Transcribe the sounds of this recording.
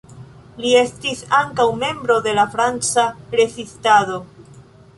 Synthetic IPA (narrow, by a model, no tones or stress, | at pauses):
lie̞stisaŋkawme̞mbɾo̞de̞lafɾant͡saɾe̞zistado̞